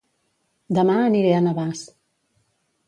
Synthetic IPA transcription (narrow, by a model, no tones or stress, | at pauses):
d̪əmaəniɾeanəβas